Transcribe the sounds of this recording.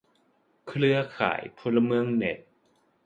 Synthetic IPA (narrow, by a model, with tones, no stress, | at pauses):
kʰɾɯ˥ɐkʰa̰ː˩˦jpʰo˧la˧mɯ˧əŋne˨˩t̪̚